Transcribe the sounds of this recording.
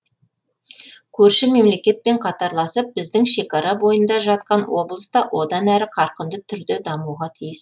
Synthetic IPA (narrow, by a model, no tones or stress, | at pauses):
kʲʰɵɾʃɪme̞mle̞kʲe̞t̪̚pe̞ɴqʰɑt̪ɑɾlˠɑsəp̚bɪzd̪ɪŋʃe̞kɑɾɑbo̞jənd̪ɑʒɑt̪̚qɑnwo̞blˠəst̪ɑwʔo̞d̪ɑnæɾɪqʰɑɾqənd̪ət̪ʰʏɾd̪ed̪ɑmuʁɑt̪ʰijɪs